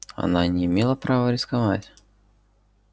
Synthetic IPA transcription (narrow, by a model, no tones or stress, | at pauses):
ɐ̰nanʲɪɪmʲelˠəpɾavəɾʲɪskɐvatʲ